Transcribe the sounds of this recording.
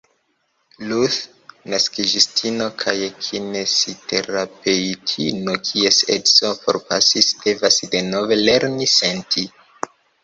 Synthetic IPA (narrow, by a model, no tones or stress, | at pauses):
luθ | naskid͡ʒistʰino̞kʰajekʰinesitʰe̞ɾape̞itʰinokʰie̞setsopo̞̰ɾpasisd̥e̞vasde̞no̞ve̞le̞ɾnise̞ntʰi